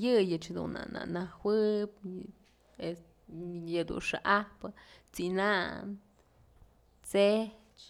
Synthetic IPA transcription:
jɨjɨt͡ʃhd̪ṵnːa̰na̰ʔnawɨp | es | jɨd̪ṵnʂaʔapɨt͡sinan | t͡se | t͡ʃ

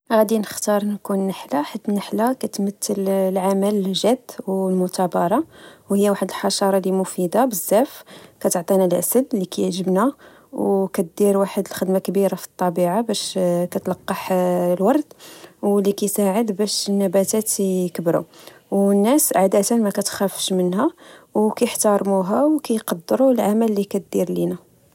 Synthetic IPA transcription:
ɣæd̪inəxt̪ɑɾˤnkunːəħlaħad̪ːnəħlakæt̪mət̪ːəllʕamælʒæd̪wlmʊt̪æbɑɾˤɑwhəjːawaħəd̪əlħɑʃɑɾˤɑlimʊfid̪abəzːæfkæt̪ʕt̪ˤinalʔæ̰səd̪likæjʒəbnæ | wkæt̪̚d̪iɾwaħəd̪əlxəd̪makbiɾafi̥t̪ˤːɑbiʕabæʃkæt̪lɑqːɑħlwɑɾˤt̪wlːikæjsaʕəd̪bæʃənːæbæt̪æt̪kəbɾṵwnːæsʔaʕd̪æt̪ənmækæt̪xæfʃmənɦæwkæjəħt̪ɑɾˤmuɦæwkæjqɑd̪ːəɾulʕamælːikæt̪̚d̪iɾlinæ

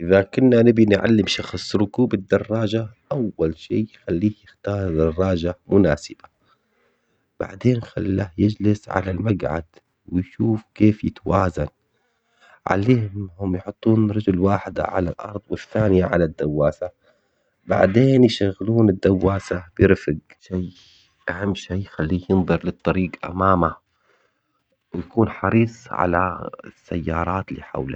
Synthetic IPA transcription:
ʔɪðakʊnːanɪbinʕa̰lːɪmʃɑxsˤɾʊkuːbɪd̪ːɑrˤːɑːd͡ʒaʔawːalʃiːxalːiːhjɪxt̪ɑːɾˤd̪ɑrˤːɑːd͡ʒamʊnaːsɪb̥a | b̥a̰ʕd̪eːnxa̰lːahjɪd͡ʒlɪsʕa̰lalmaɡʕa̰d̪ | wɪjʃuːfkeːfjɪt̪awaːzan | ʕa̰leːhʊhʊmjħʊt̪ˤːuːnɾˤɑd͡ʒʊlwaːħɪd̪ʕa̰la̰lʔɑ̰ɾˤðˤwɪθːaːnɪjaʕalad̪ːawːaːsa | ba̰ʕd̪eːnjʃaɣːluːnɪd̪ːawːaːsabɪɾfɪɡ | ʃaː | ʔahamːʃaːjxalːiːjɪnðˤɨɾˤlɨt̪ˤːɑɾiːɡʔa̰maːma | wjakuːnħɑ̰ɾiːsˤʕa̰lasːajːɑːɾˤɑːt̪lḭːħa̰wla̰

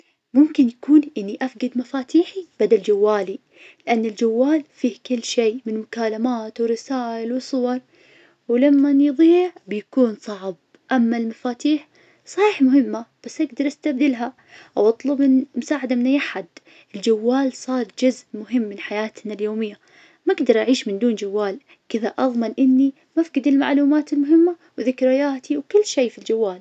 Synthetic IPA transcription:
mʊmkɪnjakuːnʔɪnːiʔafɡad̪mafaːt̪ʰiːħib̥ad̪ald͡ʒawːaːli | lɪʔanːɪld͡ʒawːaːlfiːhkɪlːʃeːmɪnmʊkaːlamaːt̪wɪɾɪsaːʔɪlwɨsˤʊwɑɾˤ | wɪlamːanjðˤiːʕbɪjakuːnsˤɑʕb̚ | ʔamːalmafaːt̪iːħ | sˤɑhiːħmʊhɪmːab̥asːʔaɡd̪ɑɾˤʔast̪ab̚d̪ɪlɦa | ʔawɑt̪ˤlʊbɪnmʊsaːʕad̪amɪnːajaħad̪ | ɪld͡ʒawːaːlsˤɑːɾˤd͡ʒʊzʔmʊɦɪmːɪnħajaːt̪naljoːmɪjːa | maʔaɡd̪ɑɾˤʔaʕiːʃmɪnd̪uːnd͡ʒawːaːl | kɪðaʔɑðˤmɪnʔɪnːi | mafɡɪd̪ɪlma̰ʕluːmaːt̪ɪlmʊɦɪmːa | wðɪkɾɪjaːt̪iwkʊlːʃeːfild͡ʒawːaːl

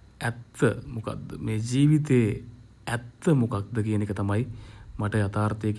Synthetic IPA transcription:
ɛt̪ːəmuka̰d̪əmeːd͡ʒiːʋit̪eː | ɛt̪ːəmukak̚d̪əkijənekət̪ɐmajimaʈəjat̪aːɾt̪ejek

